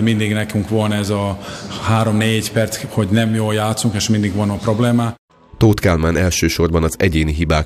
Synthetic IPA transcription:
mind̪iɡnɛkyŋkʋo̞lnɛzɒhaːɾo̞mneːɟpɛrt̪sho̞ɟnɛmjoːljaːt̪suŋkeːʃmind̪iɡʋɒnɒpro̞bleːmaː | t̪oːt̪kaːlmaːnɛlʃøːʃo̞rbɒnɒzɛɟeːniɦibaːk

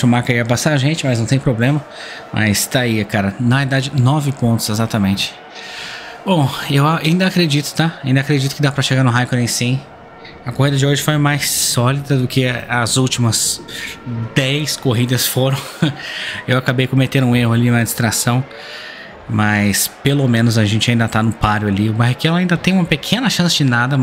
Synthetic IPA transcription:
ʊmaɾkɐiɐabasaɾaʒẽnt͡ʃɪmɐznɐ̃w̃t̪ẽj̃pɾoblẽmɐmʔɐ̰jst̪aiɐkaɾɐnɐ̃w̃ɛjd̪ad͡ʒɪnɔvɪpõnt̪ʊ̥zezat̪ɐmẽnt͡ʃɪ̥ | bõewaaĩnd̪ɐakɾed͡ʒit̪ʊ̥t̪aaĩnd̪akɾed͡ʒit̪ʊ̥kɪd̪apɾɐʃeɡaɾnʊɦajkʊd̪ẽj̃sĩ | ɐkoɦid̪ɐd͡ʒɪoʒɪfojmajsːɔlid̪ɐd̪ʊkʰɪɐzuwt͡ʃimɐs | d̪ɛjskoɦid̪ɐsfoɾɐ̃w̃ | ewakabejkõmet̪ẽnd̪ʊũeɦʊalinɐd͡ʒɪst̪ɾasɐ̃w̃ | mɐjspelomẽnʊzaʒẽnt͡ʃɪaĩd̪ɐt̪anʊpaɾjʊaliʊbaɦikɛlaĩnd̪ɐt̪ẽj̃ũmɐpekʰẽnɐʃɐ̃sɪd͡ʒɪnad̪ɐ

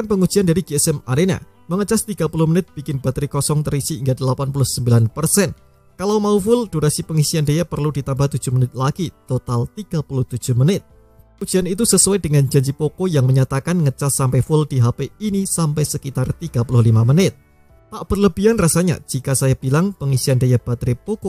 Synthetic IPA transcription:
kanpəŋud̥d͡ʒ̥iandaɾiɡeɛsɛmadena̰ | məŋət͡ʃast̪iɡapulʊhmənɪt̪̚b̥ikɪnbat̪əɾikɔsɔŋt̪əɾisiːŋɡadəlapanpulʊhsəmbilanpərsɛn | kalawmaufʊld̥uɾasipəŋisiandajapərludit̪ambaht̪u̥d͡ʒ̥ʊhmənɪt̪̚laɡ̥it̪ot̪alt̪iɡ̥apulʊht̪u̥d͡ʒ̥ʊhmənɪt̪̚ | udd͡ʒianit̪usəsuwajd̥əŋand͡ʒaɲd͡ʒipokojaŋməɲat̪akanŋət͡ʃasampefʊld̥iɦapeinisampɛjsəkit̪art̪iɡ̥apulʊhlimamənɪt̪̚ | paʔb̥ərləb̥ianrasaɲa̰d͡ʒ̥ikasajab̥ilaŋpəŋisiandajab̥at̪ɾipoko

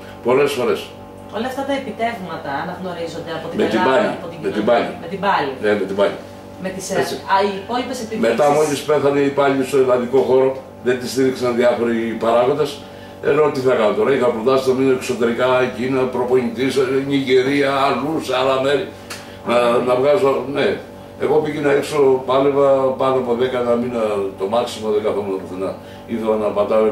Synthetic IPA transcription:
po̞le̞sfo̞ɾe̞s | olɐft̪ɐt̪ɐepit̪e̞vmɐt̪ɐːnɐɣno̞ɾizo̞nd̪eɐpot̪imet̪ibɐʎiɐpot̪imet̪ibɐʎḭmet̪ibɐlinemet̪imbɐʎi | met̪iset͡siipoipeset̪me̞t̪ɐmolispe̞θɐneipɐʎist̪oelɐnðiko̞xo̞ɾo̞ | ðe̞nt̪ist̪iɾiksɐnðiɐfo̞ɾipɐɾɐɣod̪es | ḛnot̪iθɐkɐnot̪oɾɐixɐpɾot̪ɐsit̪ɐminoekso̞t̪e̞ɾikɐcinɐpɾo̞po̞ɲit̪isɲiɡeɾiɐːlusealɐme̞ɾi | nɐnɐvɣazone | eɣo̞piʝinɐikso̞pɐle̞vɐpɐnoɐpo̞ðe̞kɐnɐminɐt̪o̞mɐksimoðeɡɐθomonɐpoθenɐ | iθelɐnɐpɐt̪ɐ

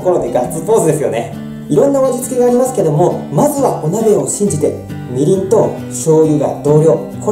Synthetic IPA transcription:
koɾod̪eɡat͡sɨpo̞ːsɨd̪e̞sɨjo̞̰ne̞ | iɾõ̞nːaoβad͡ʑit͡sɨ̥kʲiɡaːɾʲimasɨ̥ke̞d̪o̞mo̞mazɨβao̞name̞o̞ɕĩɲ̟d͡ʑit̪e̞ | mʲiɾʲĩnt̪o̞ | ɕo̞ːjɯ̟ɡa̰d̪̥o̞ːɾʲo̞ː | kʰo

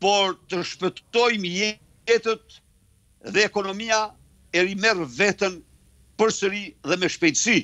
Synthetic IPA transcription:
pɔɾt̪əʃpət̪ɔjməjɛ | ɛt̪ət̪̚ | ðɛːkɔnɔmia | ɛɾimɛrvɛt̪ən | pəɾsəɾiðɛmɛʃpɛjt̪əsi

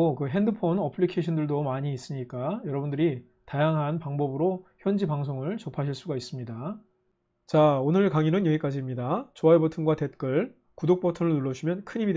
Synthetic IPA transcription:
okɯɦe̞ndɯpʰonʌpʰɯɭikʰeɕʰʌndɯɭdomaɲiːs͈ɯɲik͈ajʌɾʌbundɯɾi | tajaŋɦanpaŋbʌbɯɾoçjʌnd͡ʑibaŋs̬ʰoŋɯɭt͡ɕopʰaɕʰiɭs͈uɡais͈ɯmɲida | t͡ɕaonɯɭkaŋinɯnjʌik͈ad͡ʑimɲidat͡ɕoaebʌtʰɯnɡwate̞t̚k͈ɯɭ | kudok̚p͈ʰotʰɯnɯɭnuɭːʌɕʰimjʌnkʰɯɲimid

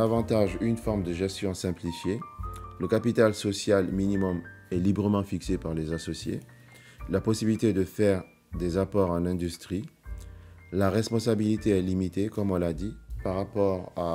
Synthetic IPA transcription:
avɑ̃t̪aʒynfɔʁmd̪əʒɛst̪jɔ̃sɛ̃plifjeləkapit̪alsɔsjalminimɔmɛlibʁəmɑ̃fiksepaʁlezasɔsjḛ | lapɔsibilit̪ed̪əfɛʁ | d̪ezapɔʁɑ̃lɛ̃d̪yst̪χi | laʁɛspɔ̃sabilit̪eɛlimit̪ekɔmɔ̃lad̪ipaʁapɔʁa

